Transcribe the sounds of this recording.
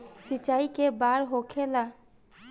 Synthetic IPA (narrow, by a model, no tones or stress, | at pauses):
sit͡ʃaikebaɾɦokʰela